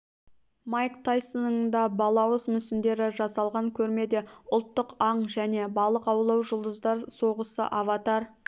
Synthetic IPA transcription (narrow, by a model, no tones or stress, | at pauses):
mɑjkt̪ʰajsonəd̪ɑbɑlˠɑwəzmʏsɪnd̪e̞ɾɪʒɑsɑlˠʁɑŋkʲʰɵɾme̞d̪e̞ʊlˠt̪ːəqɑɴʒæne̞bɑlˠəqɑwlˠɑwʒʊlˠd̪əzd̪ɑɾso̞ʁəsə̰ʔavɑt̪ɑɾ